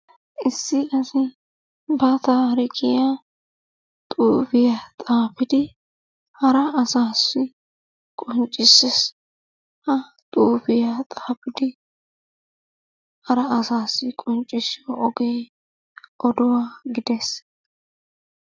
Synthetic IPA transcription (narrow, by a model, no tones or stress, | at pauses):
ʔɪsːɪɐsɪ | bɐt̪aːɾɪkʼɪja | t̪ʼuːfɪjat̪ʼaːpɪd̪ɪ | hɐɾɐɐsaːsːɪ | kʼɔnt͡ʃʼːɪsɛs | hɐt̪ʼuːfɪjat̪ʼaːpɪd̪ɪ | hɐɾɐːsaːsːɪkʼɔnt͡ʃʼːɪsɪɔʔɔɡeː | ʔɔd̪ʊwaːɡɪd̪ɛs